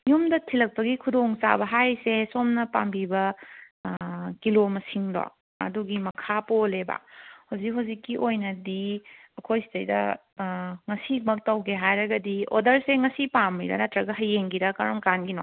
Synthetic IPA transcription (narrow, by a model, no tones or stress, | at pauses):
jumdɐtʰilɐk̚pɐɡikʰudoŋt͡ʃa̰bɐɦajsesomnɐpambibɐ | kilomɐsiŋdɔ̰ | ɐ̰duɡimɐkʰapoleba̰howzikɦuwzikːiʔojnɐdiɐkʰojsi̥tɐjdɐ̰ | ŋɐsimɐk̚tɐwkʰeɦajɾɐɡɐdio̰dɐɾseŋɐsipamːiɾɐ̰nɐtɾɐɡɐɦɐjːeŋɡiɾɐkɐɾɔmkanɡinɔ